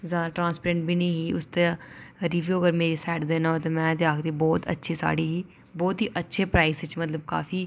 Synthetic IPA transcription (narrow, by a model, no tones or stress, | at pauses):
zjaːd̪aːʈɾãːnspɾẽːɳʈbʱiːnĩːɦiːʔʊst̪eɾiːʋjuːəɡəɾmeːɾiːsɛːʈd̪eːnaot̪eːmɛ̃ːd̪eaːkd̪iːbɔːt̪ə̰tːʃʰiːsa̰ːɽiːɦiː | bɔːt̪ɦiːʔətːʃʰeːpɾaːiːsɪt͡ʃmət̪ləbka̰ːfiː